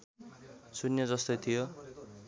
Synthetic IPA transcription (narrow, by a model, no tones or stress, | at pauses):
sunjʌd͡zʌst̪ojt̪ʰijo